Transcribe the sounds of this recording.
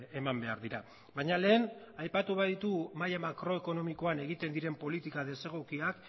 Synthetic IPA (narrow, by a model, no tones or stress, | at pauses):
e̞mambe̞aɾðiɾa | baɲale̞ːnajpat̪uβaðit̪umajamakɾo̞e̞ko̞no̞miko̞ane̞ɣ̞it̪e̞nd̪iɾe̞mpo̞lit̪ikaðe̞se̞ɣ̞okiak